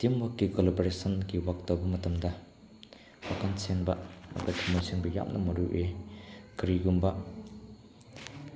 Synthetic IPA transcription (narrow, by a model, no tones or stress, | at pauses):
timwakːikolaboɾesɐnɡiwak̚tawbɐmɐtɐmdɐ | wakʰansenbɐa̰katʰamunsiŋbɐja̰p̚nʔɐ̰mɐɾuʔekɐɾiɡumbɐ